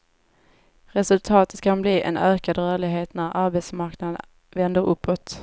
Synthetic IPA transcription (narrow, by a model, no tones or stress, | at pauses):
ɾɛsɵlt̪ʰɑːt̪ə̥t̪kʰanbliːʔɛ̰nøːkad̪ɾœːɭɪɡɦeːt̪næɾaɾbɛt̪smaɾknad̪ən | vɛnd̪əɾɵpʰːot̪